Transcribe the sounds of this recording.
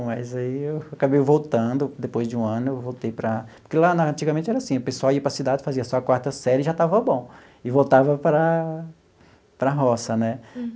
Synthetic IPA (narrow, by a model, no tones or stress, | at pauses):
mɐjzaiewakabejvowt̪ɐ̃d̪ʊd̪epojzd͡ʒɪũɐ̃nʊewvowt̪ejpɾɐpo̥ɾkelanaɐ̃t͡ʃiɡɐmẽnt͡ʃɪɛɾɐasĩʊpesuawiɐpɾɐsid̪ad͡ʒɪfaziɐsɔakwaɾt̪ɐsɛɾɪʒat̪avɐbõw̃ | ɪvowt̪avɐpɾɐ | pɾɐɦɔsɐnɛ